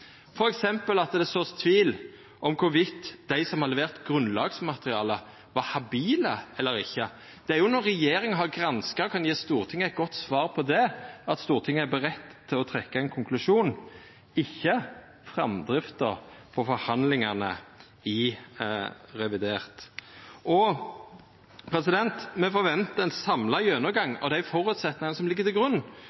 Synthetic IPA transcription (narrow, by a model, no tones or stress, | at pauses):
fɔɾɛksɛmpəlɑt̪d̪ɛsoːst̪ʰʋiːl | ʔɔmkʰʊɾʋɪt̪ːd̪̥æɪsɔmhɑʁlɛʋeːʁt̪ɡɾʉnlɑːɡsmɑt̪əɾɪɑːlə | ʋɑɾhɑbiːləɛlːəɾɪçːə | d̪̥ɛæɾjʊnɔɾːɛjeːɾɪŋəɦɑɾɡɾɑnskəɾkʰɑnjeːst̪uːɾt̪ʰɪŋːəɛt̪̚ɡɔt̪ːsʋɑːɾpʰɔd̪ɛɑt̪st̪uːɾt̪ʰɪŋːəæɾbəɾɛt̪ːt̪ʰːɪlɔt̪ʰɾɛkːɑɛɪnkʰʊŋklʉʂuːn | ɪçːə | fʁɑmd̪ɾɪft̪əɾpʰɔfɔɾhɑnd̪lɪŋɑnə̰ | ɪ | ɾɛʋɪd̪eːʁt̪ʔɔ | pʰɾɛsɪd̪ɛnt̪mɛfɔːɾʋɛnt̪əɛɪnsɑmlɑjøːnəɡɑŋːɔ̰d̪ɛæʊfɔɾʉt̪sɛt̪nɪŋɑnəsɔmlɪɡːət̪ɪlɡɾʉnː